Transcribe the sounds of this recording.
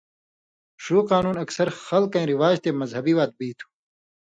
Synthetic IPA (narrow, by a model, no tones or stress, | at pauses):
ʂuːqaːnuːnɐksɐɾxɐlkɐ̃ĩɾiwaːd͡ʑt̪emɐzhɐbiwaːt̪̚biːt̪ʰu̥